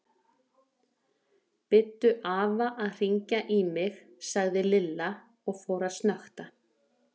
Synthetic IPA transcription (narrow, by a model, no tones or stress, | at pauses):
pɪt̪ːʏʔaːvaʔaðr̥iɲcaʔimɪx | saɣðɪlɪlːa | ɔɣfoːwɾast̪naxt̪a